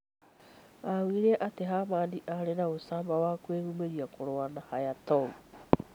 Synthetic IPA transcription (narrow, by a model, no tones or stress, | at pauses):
awiɾeʔateɦamaːndiʔaɾenaosabawakueɡumeɾiakʰoɾoanahajatow